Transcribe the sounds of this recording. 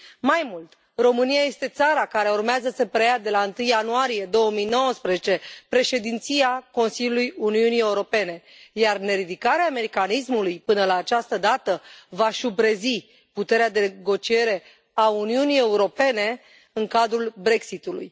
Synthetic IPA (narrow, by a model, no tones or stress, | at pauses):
majmult̪ | ro̞mɨnijaje̞st̪e̞t̪saɾakaɾe̞urmeazəsəpɾejad̪e̞laɨnt̪ɨjanuaɾije̞d̪o̞wəmijno̞wəspɾezet͡ʃe̞pɾe̞ʃe̞d̪int̪sijako̞nsilʲjulujuniunie̞uɾo̞pe̞ne̞ | jarne̞ɾid̪ikaɾeaːme̞ɾikanismulujpɨnəlaːt͡ʃast̪əd̪at̪əvaʃubɾezi | put̪e̞ɾead̪e̞ɡo̞t͡ʃie̞ɾe̞ | auniunije̞uɾo̞pe̞ne̞ | ɨŋkad̪ɾulbɾe̞ksit̪ulṵj